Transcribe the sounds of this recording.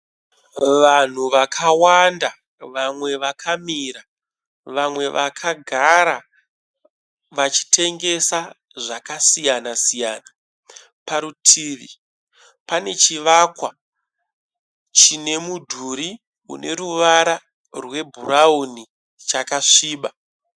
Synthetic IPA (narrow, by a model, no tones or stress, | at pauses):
ʋan̤uʋakʰawanda | ʋamwe̞ʋakʰamiːɾa | ʋamwe̞ʋʔakʰaɡʱaɾa | ʋat͡ʃi̥tʰe̞ŋɡe̞sa | ʐakasijanasijaːna | paɾutʰiːʋḭ | pane̞t͡ʃiʋakwa | t͡ʃine̞mudʱuɾi | ṵne̞ɾuʋaɾa | rwe̞bʱurauni | t͡ʃakaʂiːɓa